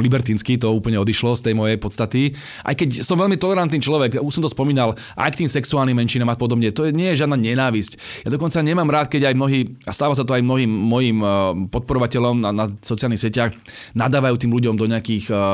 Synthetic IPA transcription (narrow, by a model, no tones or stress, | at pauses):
libɛɾt̪iːnskit̪ɔuːpl̩ɲɛɔd̪iʃlɔst̪ɛjmɔjɛjpɔt̪st̪at̪i | ʔa̰jkɛcsɔmʋɛlmit̪ɔlɛɾant̪niːt͡ʃlɔʋɛɡuʃsɔmt̪ɔspɔmiːnal | ʔa̰jkt̪iːmsɛksuaːlnimːɛnʃinaːmapɔd̪ɔbɲɛt̪ɔjɛɲɪɛjɛʒɪad̪naɲɛnaːʋiscjad̪ɔkɔnt͡saɲɛmaːmɾaːt̪̚kɛɟajmnɔɦiːast̪aːʋas̬at̪ɔajmnɔɦiːmːɔjiːmpɔt̪̚pɔɾɔʋacɛʎɔmnanasɔt͡sialnixsɪɛcaxnad̪aːʋajuːt̪iːmluɟɔmd̪ɔɲɪakiːx